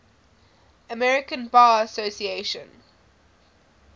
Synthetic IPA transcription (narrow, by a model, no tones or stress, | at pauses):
əmɛɹɪkə̃nbaːəsosieɪʃə̰̃n